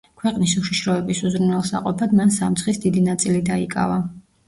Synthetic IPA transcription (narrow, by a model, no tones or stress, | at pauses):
kʰwɛqʼnisuʃiʃɾɔɛbisuzɾunɛlˠsa̰qʼɔpʰad̪mansamt̪sʰχisd̪id̪inat̪sʼilid̪aikʼa̰va